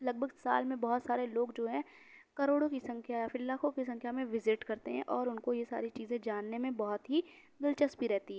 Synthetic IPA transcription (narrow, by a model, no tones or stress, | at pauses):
lɐɡ̚bʱəɡsa̰ːlmẽbɐɦɔt̪saːɾeloːɡd͡ʒoːɦɛ̃ː | kɐɾoːɽõkisɐ̃ŋkʰjajafɪlaːkõkis̬ɐ̃ŋkʰjamẽʋɪzɪʈkɐɾt̪eɦɛ̰̃ʔɔːɾʊnkojesa̰ːɾit͡ʃiːzẽd͡ʒaːnːemẽbɔɦʊt̪ɦid̪ɪlt͡ʃəspiɾɛɦt̪iɦɛ